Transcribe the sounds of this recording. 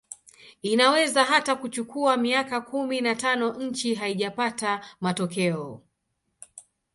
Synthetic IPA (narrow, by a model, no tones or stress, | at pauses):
inawɛzaɦatakut͡ʃukuamiakakuminatanɔɲ̩t͡ʃiɦaiʄapatamatɔkɛɔ